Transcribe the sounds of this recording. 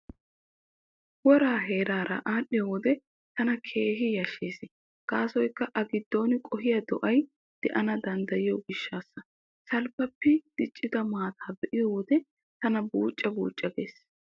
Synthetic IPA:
wɔɾaːɦe̞ːɾaːɾɐ̰ʔaːɗɪjɔwɔd̪ɛ | t̪ɐnɐkʰe̞ːɦɪjɐʃeːsɪ | kaːsɔjkːɐʔɐɡɪd̪ːo̞ːnɪkʼɔɦɪjɐd̪ɔ̰ʔɐj | d̪̥ɛʔɐnɐd̪ɐnd̪ɐjɪjɔɡɪʃːaːsːɐ | sɐlpːɐpːɪd̪̥ɪt͡ʃʼːɪd̪ɐmaːt̪ʰaːbɛʔɪjɔwɔd̪ɛ | t̪ɐnɐbuːt͡ʃʼːɐbuːt͡ʃʼːɐɡḛːs

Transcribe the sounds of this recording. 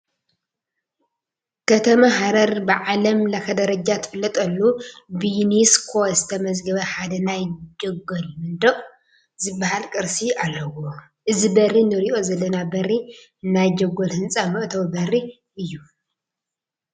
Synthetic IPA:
kʰɐt̪ʰɐmaɦaɾɐɾbɨʕalɐmlɐxɐd̪ɐɾɐd͡ʒat̪ʰɨ̥fɨlːɐt̪ʼɐlːubiniskʰo̞zɨt̪ʰɐmɐzɡɐβɐħad̪ɐnajd͡ʒɐɡolmɨnd̪ɐʔʼ | zɨbːaɦalkʼɨɾsialːɐwo | ʔɨzibɐrinɨɾiʔo̞zɐlːɐnabɐri | najd͡ʒɐɡolhɨnt͡sʼamɨʔʼt̪ʰɐβbɐri | ʔɨjːu

